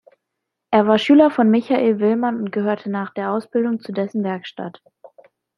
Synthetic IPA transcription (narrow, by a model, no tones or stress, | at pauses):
ʔeːɐvaːɐʃyːlɐfɔnmɪçaʔeːlvɪlmanʊnt̚ɡ̥əhøːɐtʰənaːχd̥eːɐʔaʊsb̥ɪldʊŋt͡sudɛsn̩vɛɐkʃta̰t